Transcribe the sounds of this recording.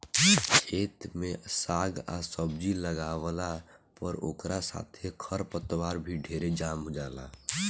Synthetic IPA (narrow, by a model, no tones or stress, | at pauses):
t͡ʃʰeːt̪mẽsaːɡa̰səbd͡ʒiləɡaːʋəlapəɾo̰ːkɾasa̰ːt̪ʰekʰəɾpət̪waːɾbʱiɖʱeːɾed͡ʒaːmɦod͡ʒaːla̰ː